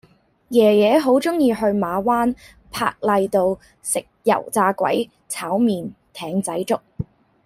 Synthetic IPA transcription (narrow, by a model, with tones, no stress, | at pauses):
jɛː˨˩jɛː˨˧ɦo˨˥wt͡sʊ˥ŋjiː˧ɦɵ˧ɥmaː˨˧waː˥n | pʰa̰ː˧k̚lɐ˧jt̪o˧w | sɪ˨k̚jɐ̰˨˩wt͡saː˧kʷɐ̰˨˥j | t͡sʰaː˨˥wmiː˨nt̪ʰɛː˨˧ŋt͡sɐ˨˥jt͡sʊ˥k̚